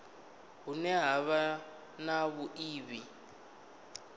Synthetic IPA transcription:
ɦunɛɦaβa | naβuʔiːβi

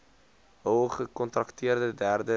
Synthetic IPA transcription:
ɦowχəkɔntrɐktʰiərdədærdə

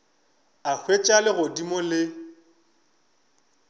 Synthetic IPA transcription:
ak͡xʰwet͡ʃʼalɪɣʊdimɔlɪ

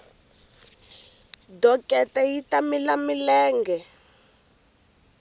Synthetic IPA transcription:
dɔkʼɛtɛjitamilamilɛːŋɡɛ

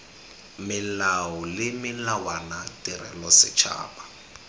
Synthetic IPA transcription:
mɪlaʊlɪmɪlawanatʼirɛ̰lɔsɪt͡ʃʰa̰ːpḁ

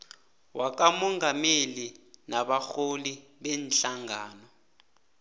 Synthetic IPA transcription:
wak̬amɔŋɡamelinaɓaxoliɓɛnɬaŋaːnɔ

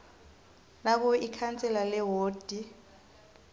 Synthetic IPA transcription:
nak̬ɔikʰant͡sʼɛlalɛɦoːd̥ʱi

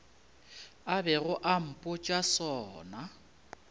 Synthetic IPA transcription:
abɛɣʊʔam̩pʼʊt͡ʃʼasɔːna

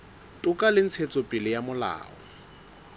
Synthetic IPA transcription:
tʼʊkʼalɪn̩t͡sʰet͡sʼɔpʼɪlɪjamʊla̰ːɔ̰

